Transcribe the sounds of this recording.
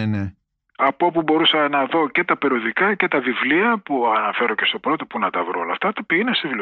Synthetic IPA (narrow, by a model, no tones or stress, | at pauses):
ene | ɐpopubo̞ɾusɐnɐðo̞cet̪ɐpeɾioðikɐce̞t̪ɐvivliɐpuɐnɐfe̞ɾo̞ce̞st̪o̞pɾo̞t̪o̞punɐt̪ɐvɾoolɐft̪ɐt̪opiinesevli